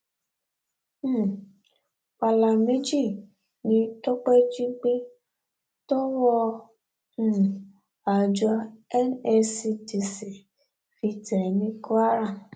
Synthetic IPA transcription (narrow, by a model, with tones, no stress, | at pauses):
k͡pa˨la˨me˦d͡ʒi˦˨ | nĩ˧˦tɔ˦k͡pɛ˦d͡ʒĩ˦ɡ͡bẽ˦ | to˦wɔ˧ | ũ˦˨ | a˨d͡ʒɔ˧ɛ˦nɛ˧si˧ti˧se˨ | fi˧tɛ˨nĩ˦ko˦a˦ɾa˦˨